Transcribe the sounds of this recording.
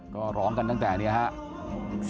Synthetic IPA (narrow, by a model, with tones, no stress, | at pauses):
kɔː˥˩ɾɔː˦˥ŋka˧nt̪a˥ŋt̪ɛː˨˩ni˦˥ɐha˦˥ʔ